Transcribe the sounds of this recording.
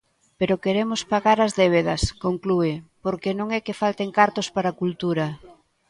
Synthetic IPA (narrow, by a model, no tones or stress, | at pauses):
peɾokeɾemʊspaɣaɾɐzðeβ̞eðɐskoŋkluepoɾkenõŋɛkɪfalt̪eŋkaɾt̪ospaɾakult̪uɾɐ